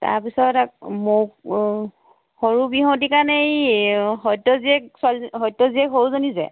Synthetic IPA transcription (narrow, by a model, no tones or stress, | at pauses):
ta̰ɹpisɔtak̚mo | xoɹubiɦɔ̃tikanɛjɦɔjtɔziɛkswalɦɔjtɔziɛkɦowzonizɛ̰